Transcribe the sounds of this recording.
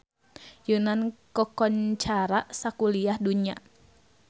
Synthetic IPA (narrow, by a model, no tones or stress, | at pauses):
junankɔkɔɲt͡ʃaɾaʔsakuliahduɲa̰